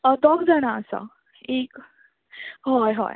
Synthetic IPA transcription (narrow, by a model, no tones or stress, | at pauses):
əd̪ɔkd͡zanaəsa̰ | ek | ɦɔjɦɔ̰j